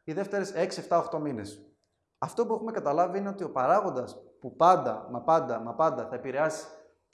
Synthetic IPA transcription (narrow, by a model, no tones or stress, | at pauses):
iðe̞ft̪e̞ɾe̞se̞ksieft̪ɐoxt̪o̞mine̞s | ɐft̪o̞p̬ue̞xumekɐt̪ɐlɐviineo̞t̪io̞pɐɾɐɣo̞nd̪ɐspupɐnd̪ɐ̰mɐpɐnd̪ɐmɐpɐnd̪ɐθɐe̞piɾeɐsi̥